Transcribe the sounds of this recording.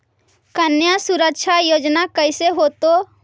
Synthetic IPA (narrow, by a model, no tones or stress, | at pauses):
kənjasuɾəkʃʰajod͡ʒnakəjseɦot̪o